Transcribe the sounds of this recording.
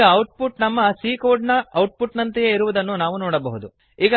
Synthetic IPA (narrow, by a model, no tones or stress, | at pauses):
ɐɐwʈ̚pʰuʈnɐmːɐsiːkoːɾɖnɐɐwʈ̚puʈnɐnt̪ɐjeiɾuʋud̪ɐnːunaːʋunɔːɽɐbɐɦud̪u | iːɡɐ